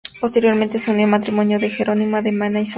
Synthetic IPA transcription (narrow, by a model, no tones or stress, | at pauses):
post̪eɾjoɾment̪esonliomat̪ɾimonjoðexeɾonimoðemanaisa